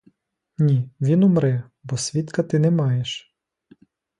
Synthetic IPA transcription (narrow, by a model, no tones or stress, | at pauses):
nʲiʋʲinʊmɾɛ | bɔsʲʋʲit̪kɐt̪ɪnɛmɑjeʃ